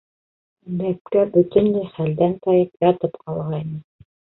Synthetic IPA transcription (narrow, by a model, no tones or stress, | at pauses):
b̪æp̚kæbɵt̪ɘ̆nlæjχæld̪ænt̪ɑjɤpjɑt̪ɤpqʰɑlˠʁɑinɤ